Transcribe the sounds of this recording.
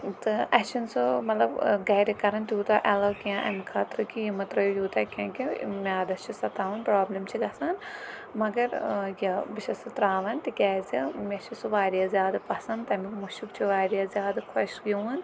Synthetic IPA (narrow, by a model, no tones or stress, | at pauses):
t̪ɨʔɐt͡ʃʰinsomɐt̪lɐbɡɐːɾikɐɾɐnt̪juːt̪aːʔɐlɐkijãʔɐ̰mikʰaːt̪ɾɨkijimɐt̪ɾɐjjuːt̪aːkʲɐ̃ːkimaːd̪ɐst͡ʃʰisɐt̪aːʋɐnpɾaːblɐmt͡ʃʰiɡɐsaːn | mɐɡɐɾjɐbiʃɐsɐt̪ɾaːʋɐnt̪ikʲɛːzimʲet͡ʃʰisuʋaːɾijaːzjaːd̪ɐpɐsɐnd̪t̪ɐmikmuʃukt͡ʃʰiʋaːɾijaːzʲjaːd̪ɐkʰɐʃɡʲuːn